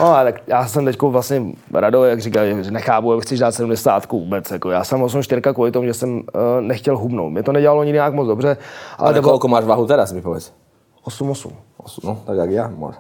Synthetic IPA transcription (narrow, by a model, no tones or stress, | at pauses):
noat̪akjaːsɛmt̪ɛckovlasɲɛɾadojaɡriːkalakʒɛnɛxaːpujaɡxt͡sɛʒdaːt̪sɛdumdɛsaːt̪kuvuːbɛt͡sjakojaːsamos̬umʃt̪ɪɾkakʋuːlɪt̪omuʒɛsɛmnɛxcɛlɦubno̰wt̪mɲɛt̪onɛɟɛlaloɲɪdɲakmod͡zdobrɛʔa̰lɛɛbkɔlkomaːʒvaɦut̪ɛɾasmɪpovɛt͡s | ʔosumosṵmosnot̪akjaɡjaːmɔ̰